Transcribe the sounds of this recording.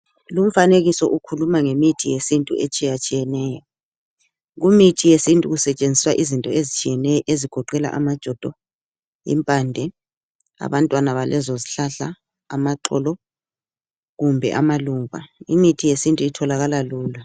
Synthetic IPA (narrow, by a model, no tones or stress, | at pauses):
lum̩faneɣisɔʔukʰulumaŋemitʰijesintʼṵʔet͡ʃʼijat͡ʃʼijɛnɛːjɔ | ɣumitʰijesintʼuɣusɛt͡ʃʼend͡zʱiswaʔizintʼɔezit͡ʃʼʰijɛnɛeziɡ̥ʱɔǃɛla̰ʔa̰mad̥ʒ̥ʱɔd̥ʱɔ | ḭmpʼandʱɛ | a̰βantʼwanaβalʔɛzɔziɬaɬaː | maǃɔ̰lɔ | ɣumbʱɛ̰ʔamaluːβa̰imitʰijesintʼuitʰɔlaɣalaluːla